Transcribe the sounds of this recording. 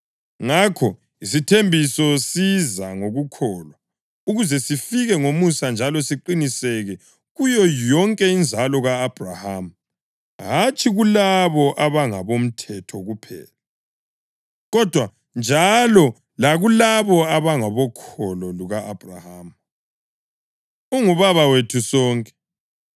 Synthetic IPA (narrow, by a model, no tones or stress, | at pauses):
ŋakʰɔ | isitʰembʱisɔsizaŋoɣukʰɔːlwa | uɣuzɛsifiɣɛŋomusand͡ʒʱalɔsiǃinisɛɣɛ | ɣujɔjɔŋkʼɛind͡zʱalɔɣaːb̥ʱraham̩ | ɦat͡ʃʰʼiɣulaβɔʔaβaŋaβom̩tʰɛtʰɔɣupʰɛ̰ːla | ɣɔd̥ʱwa | nd͡ʒʱalɔ | laɣulaβɔaβaŋɔβɔkʰɔlɔluɣaːb̥ʱra̰haːm̩ | uŋuβaβawetʰusɔːŋkʼɛ̥